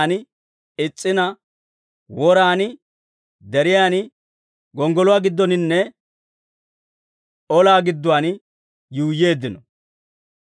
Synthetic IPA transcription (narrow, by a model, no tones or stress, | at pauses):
n | ɪt͡sʼːɪnɐ | wɔɾaːn | d̪ɛɾɪjaːn | ɡɔŋɡɔlʊwaːɡɪd̪ːɔnɪnːɛ | ɔlaːɡɪd̪ːʊwaːn | juːjːeːd̪ːɪnɔ